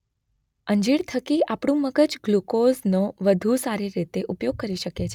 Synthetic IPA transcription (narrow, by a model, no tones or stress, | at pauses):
əɲd͡ʒiɽt̪ʰəkiapɽ̃ũməɡəd͡ʒɡlukoznoʋəd̪ʱusaɾiɾit̪eʔupjoɡ̚kəɾiʃəket͡ʃʰe